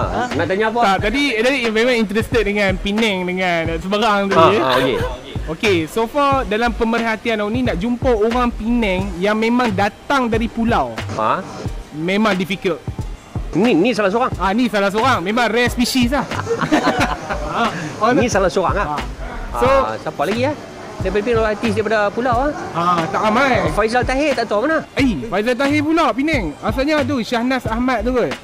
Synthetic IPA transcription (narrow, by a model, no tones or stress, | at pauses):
naʔt̪aɲapatat̪adidaɾivɛmaŋint̪ɾɛst̪ət̚dəŋãnpinɛ̃ŋdəŋansəbəɾaŋt̪uokḛ | okesofadalampəmərɦat̪ianawnĩnaʔd͡ʒumpaoɾaŋpinɛ̃ŋjaŋmẽmãŋdat̪aŋdaɾipulawa̰ | mẽmãŋdifikəlt̪̚ | ninĩsalahsoɾaŋanisalahs̬oɾaŋmẽmãŋrɛspisis̬lah | nĩsalahsoɾa̰ŋaasosapalaɡiah | dajpadpinɛoat̪is̬daɾip̬adapulawahat̪aʔamajfajzalt̪aɦet̪aʔt̪amanaəfajzalt̪̬aɦepulawpinɛŋas̬aɲat̪̬uʃahnasahmat̪̚t̪uɡə